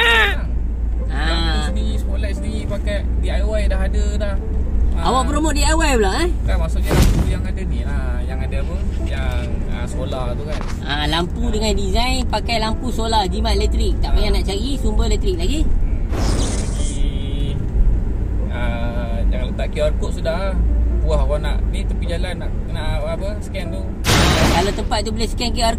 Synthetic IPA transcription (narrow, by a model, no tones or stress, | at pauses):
aa | asəndiisəkolaʔsədiɣipakajdiajwajdaɦadədah | aʔawaʔpɾomot̪̚diajwajpəlaʔak̪amasʊʔjaujaŋadənilahjaŋadaapəjaŋəsəkolaht̪ukan | ʔalampudəŋandizajnpakajlampuskolad͡ʒimaʔelɛt̪ɾik̚t̪aʔpajanaʔt͡ʃaɡisumbəlɛt̪ɾik̚laɡi | ai | əjaŋlət̪aʔkioarkoʔsudahbuahakana̰ʔnit̪əpid͡ʒalanaʔkənaʔapəsə̥kɛnt̪u | kalawt̪əmpat̪̚t̪ubəlehskɛnkiar